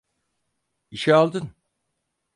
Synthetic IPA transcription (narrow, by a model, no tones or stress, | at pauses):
iʃɛalˠd̪ɯn